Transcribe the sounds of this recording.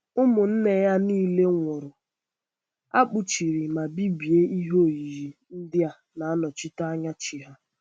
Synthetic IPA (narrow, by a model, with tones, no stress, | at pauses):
ʊ˦mʊ˨n̩˦ne˨ja˦niː˦le˦ŋʷɔ˨ɾʊ˨ | a̰˦k͡pʊ˨t͡ʃi˨ɾi˨ma˨bi˦bi˨e˦ʔi˦ɦo˦˨ji˨ɾi˨n̩˦dɪ˦a˨ | na˨a˦nɔ˨t͡ʃi˦ta˦a˦ɲa˦t͡ʃi˨ɦa˦